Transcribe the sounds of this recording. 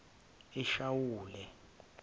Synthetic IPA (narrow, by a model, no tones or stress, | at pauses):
iʃawuːlɛ